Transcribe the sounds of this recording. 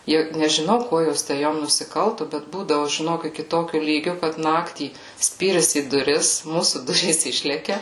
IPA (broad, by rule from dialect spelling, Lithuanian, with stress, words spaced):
ˈjɛʊ nʲɛʒʲɪˈnɐʊ ˈkuɔ ˈjoːs tʲæː ˈjoːm nʊsʲɪˈkɐlˠtʊ bʲɛt ˈbuːdɐʋʊ ʒʲɪˈnoːk ɪkʲɪ ˈtoːkʲʊ ˈlʲiːɡʲʊ kɐt ˈnɑːktʲiː ˈsʲpʲiːrʲɪs iː dʊˈrʲɪs ˈmuːsuː ˈdʊrʲiːs ˈɪʃʲlʲɛkʲɛ